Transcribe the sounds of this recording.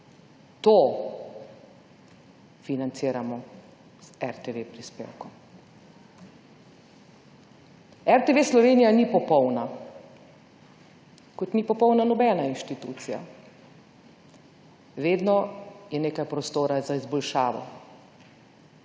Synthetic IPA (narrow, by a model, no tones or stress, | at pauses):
t̪o | finant̪siːɾamɔ | sɛɾt̪eʋepɾispḛːwkɔm | ɛɾt̪eʋeslɔʋeːnijanipɔpɔwna | kɔt̪nipɔpɔwnanɔbɛːnainʃt̪it̪uːt̪sija̰ | ʋeːd̪nɔjɛneːkajpɾɔst̪oːɾazaizbɔlʃaːʋɔ̰